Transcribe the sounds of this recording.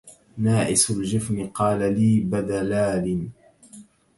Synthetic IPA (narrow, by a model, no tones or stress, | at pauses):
naːʔɪsʊld͡ʒɪfnɪqɑːlaliːbad̪alaːlɪn